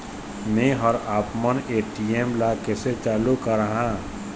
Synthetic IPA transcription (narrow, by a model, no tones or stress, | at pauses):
mẽɦəɾaːpməneːʈiemlakeset͡ʃaːlukəɾəɦãː